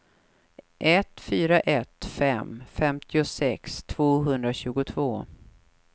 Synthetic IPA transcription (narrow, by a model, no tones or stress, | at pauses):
ʔɛt̪fyːɾaʔɛt̪fɛmfɛmt̪ʰɪʊsɛkst̪ʰv̥oːɦɵnd̪ɾaɕʉ̟ːɡʊt̪ʰvoː